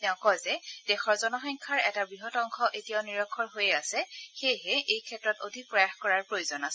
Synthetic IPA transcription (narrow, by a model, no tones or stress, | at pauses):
tɛʊ̃kɔjzɛd̥ɛxɔɹzɔnɔxɔjŋkʰaɹɛtabɹiɦɔtɔŋxʰɔʔetijaʊniɹɔkʰːɔɹɦojɛasɛxejɦɛʔejkʰɛtɹɔtodʱik̚pɹɔjaxkɔɹaɹpɹojuzɔnasɛ